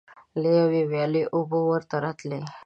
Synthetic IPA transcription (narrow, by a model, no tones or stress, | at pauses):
lejəʋiʋjaleʔuboʋəɾt̪əɾat̪le